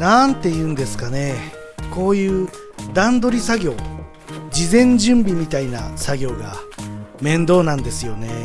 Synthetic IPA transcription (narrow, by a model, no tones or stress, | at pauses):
nant̪e̞jɯ̟̃ːnd̪e̞sɨ̥kane̞ | ko̞ːjɯ̟ː | d̪ãnd̪o̞ɾʲisaɡʲo̞ː | d͡ʑizẽ̞ɲ̟d͡ʑɨ̃mbʲimʲit̪ainasaɡʲo̞ːɡamẽ̞nd̪o̞ːnãnd̪e̞sɨjo̞ne̞